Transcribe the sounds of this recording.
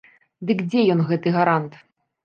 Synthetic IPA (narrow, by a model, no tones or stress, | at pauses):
d̪ɨkd͡zʲɛjɔnɣɛt̪ɨɣaɾant̪